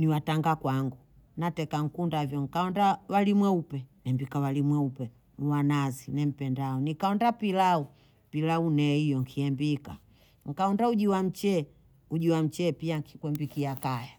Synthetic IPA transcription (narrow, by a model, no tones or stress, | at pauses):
niwataŋɡakwaŋɡu | natɛkaŋ̩kundavjɔŋ̩kaɔndawalimwɛupɛnɛmbikawalimwɛupɛ | nuwanazinɛm̩pɛndaɔnikaɔndapilau | pilaunɛijɔŋkʰiɛmbika | ŋ̩kaɔndauʄiwam̩t͡ʃɛ | uʄiwam̩t͡ʃɛpiaŋkʰi̥kwɛmbikiakaja